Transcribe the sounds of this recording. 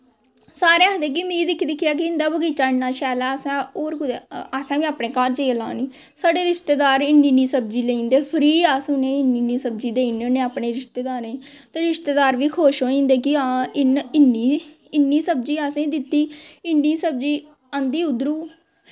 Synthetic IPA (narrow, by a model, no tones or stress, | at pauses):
saːɾeːəd̪eːk̬imĩːɪkʰːid̪ɪkʰːɪjaːk̬ɪɪnd̪aːbəɡiːt͡ʃaːɪnːaːʃɛːlaːəsãːoːɾkʊd̪easãːʋĩːaːpɳeːkaːɾd͡ʒeːlã̰ːniː | saːɖeːɾɪʃt̪eːd̪aːɾɪnːiːniːsəb̚d͡ʒiːleĩːnd̪eːpʰəɾiːaːsnẽːɪnːiːniːsəbd͡ʒiːd̪eːɪneːneːaːpɳeːɾɪʃt̪eːd̪aːɾe | t̪eːɾɪʃt̪eːd̪aːɾʋiːkʰoːʃɦoːĩːnd̪eːkɪãːɪnɪnːiː | ɪnːiːsəb̚d͡ʒiːaːsẽːd̪ɪt̪ːiːɪnːiːsəb̚d͡ʒiː | ə̃nd̪iːʊd̪ɾuː